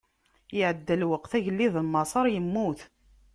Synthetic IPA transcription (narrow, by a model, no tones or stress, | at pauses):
jɪʕəd̪ːəlwəqθæʝəlːiðəlmɑsˤɑɾˤjəmːuθ